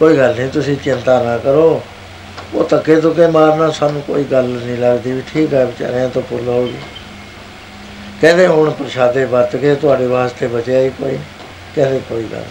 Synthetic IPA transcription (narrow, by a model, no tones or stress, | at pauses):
koːiːɡəlnĩːt̪ʊsĩːt͡ʃɪnt̪aːnaːkəɾoː | oːt̪əkːeːt̪̬oːkeːmaːɾnãːsaːnũːkoːiːɡəlnĩːləɡd̪iːʋiːʈʰiːkɛːbɪt͡ʃa̰ɾeãːt̪õːpʊlɦoːɡḭː | kɛ̃ːd̪eːɦʊɳpəɾʃaːd̪eːbaɾt̪ket̪ʊaːɖeːʋaːst̪eːbət͡ʃeaːiːko̰ːḭː | kɛ̃ːd̪eːkoːḭːɡə̰l